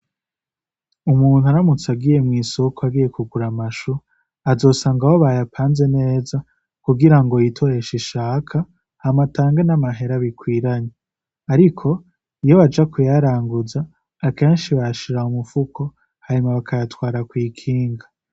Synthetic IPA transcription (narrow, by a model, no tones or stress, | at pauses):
umuːn̥huaɾamut͡saɡije̞mŋiːsokoaɡije̞kuɡuɾamaʃu | azo̞ːsaːŋɡawoβajapʰaːnze̞ne̞ːza | kuɡiɾaŋɡo̞jitʰoɾe̞ʃiʃaːkʰa | hamataːŋɡenamaɦe̞ɾaβikwiːɾaɲe | aɾikʰo̞ | ijo̞βad͡ʒakujaɾaːŋɡuzaː | ke̞ːnʃiβaʃiɾaumufukʰo̞ | haɾimaβakʰajatwaːɾakwiːkʰiːŋɡa